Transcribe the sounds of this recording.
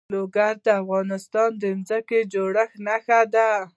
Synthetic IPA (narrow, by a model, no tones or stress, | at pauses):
loɡaɾd̪əafɣɑnɪst̪ɑnd̪ənzəked͡ʒoɽəxnaxad̪a